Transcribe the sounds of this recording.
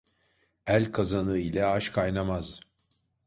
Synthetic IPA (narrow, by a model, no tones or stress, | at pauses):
ælʲkʰazanɯilʲɛaʃkʰajnamaz̥